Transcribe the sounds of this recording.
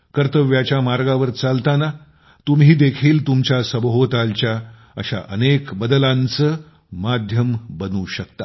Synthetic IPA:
kəɾt̪əʋjat͡ɕjamaɾɡaʋəɾt͡salt̪ana | t̪umɦiːd̪ekʰiːlt̪umt͡ɕjasəbɦot̪alt͡ɕja | ə̰ɕa̰ʔə̰nekbəd̪əlãnt͡sə | mad̪ʱjəmbənuːɕəkt̪a

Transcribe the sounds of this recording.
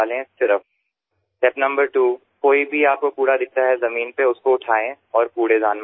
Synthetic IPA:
lẽsɪɾəf | ʈɛpnɐ̃mbəɾʈuː | koːibʱiaːp̚kopuːɾad̪ɪk̚t̪aɦɛzɐmiːnpeʊskoʊʈʰaːẽ | ɔːɾpuːɽezaːnm

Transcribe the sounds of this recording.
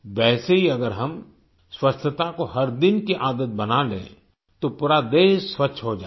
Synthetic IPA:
ʋɛːseɦiɐɡəɾɦɐm | swɐst͡ʃʰət̪akoɦɐɾd̪ɪnkiʔaːd̪ət̪̚bɐnalḛ̃ | t̪opuːɾad̪eːʃswɐtːʃʰɦod͡ʒaː

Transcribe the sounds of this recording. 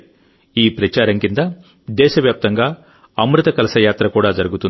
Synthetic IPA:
iːpɾɐt͡ʃaːɾɐŋkind̪ɐ | d̪ɛːʃɐʋjaːp̚t̪ɐŋɡaː | ɐmɾut̪ɐkɐlɐsɐjaːt̪ɾɐkuːɽaːd͡ʒɐɾuɡut̪un

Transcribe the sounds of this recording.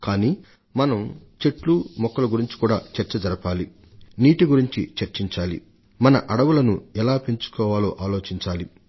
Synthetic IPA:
kaːniː | mɐnɐmt͡ʃe̞ʈlumɔkːɐlɐɡuɾiɲt͡ʃi̥kuːɽaːt͡ʃɐɾt͡ʃɐd͡ʒɐɾɐpaːli | niːʈiɡuɾiɲt͡ʃḭt͡ʃɐɾt͡ʃiɲt͡ʃaːlḭ | mɐnɐʔɐɽɐʋulɐnuɛlaːpe̞ɲt͡ʃu̥kɔːʋaːlo̞̰ːʔaːlo̞ːt͡ʃiɲt͡ʃaːli

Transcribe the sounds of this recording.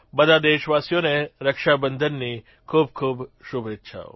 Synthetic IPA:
bəd̪ʱad̪eʃʋasjoneɾəkʃabənd̪ʱənːi | kʰub̚kʰubʃubʱet̪ːʃʰa̰

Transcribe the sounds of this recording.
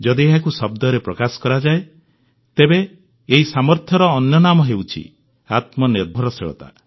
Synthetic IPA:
d͡ʒɔd̪ieɦakusɔbd̪ɔɾepɾɔkasɔ̥kɔɾad͡ʒae | t̪ebeː | ɦisamɔɾt̪ʰjɔɾɔːnjɔnamɔɦewt͡ʃʰḭ | at̪mɔniɾbʱɔɾɔseɭɔ̰t̪a̰

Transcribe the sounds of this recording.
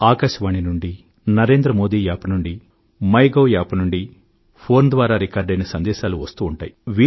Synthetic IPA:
aːkaʃɐʋaːɳinuɳɖi | nɐɾe̞ːnd̪ɾɐmo̞ːd̪iːjaːpɐnuɳɖi | mɐjɡoːjaːpɐnuɳɖi | pʰo̞ːɾnd̪ʋaːɾaːɾikaːɾɖɐjnɐsɐnd̪ɛːʃaːluʋɐst̪uːuɳʈa̰ːjiʋiː

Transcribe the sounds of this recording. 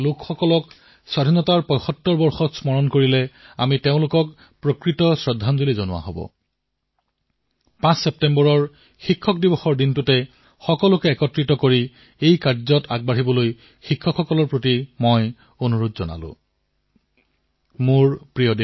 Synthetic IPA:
lʊkxɔkɔlɔk | swadʱinɔtaɹpɔjxɔtːɔɹbɔɹxɔsmɔɹɔnkoɹilɛamiteʊ̃lʊkɔk | pɹokɹitɔsɹɔdʱanzolizonʊwa̰ɦɔ̰bɔ̰ | pãsːɛp̚tɛmbɔɹɔɹ | xikʰːɔk̚dibɔxɔɹdintʊtɛ | xɔkɔlʊkɛɛkɔtɹitɔkoɹi | ejkaɹzɔtaɡ̚baɹibɔloj | xikʰːɔkxɔkɔlɔɹpɹotimɔj | onuɹodzɔna̰lʊ̰̃ | muɹpɹijɔd

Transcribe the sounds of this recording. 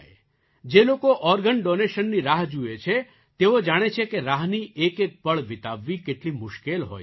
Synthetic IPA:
d͡ʒelokoʔɔɾɡəɳɖoneʃənːiɾaɦd͡ʒuet͡ʃʰe | t̪eod͡ʒaɽ̃et͡ʃʰekeɾaɦniʔekek̚pəɭʋɪt̪aʋːikeʈlimʊʃkelɦo̰j

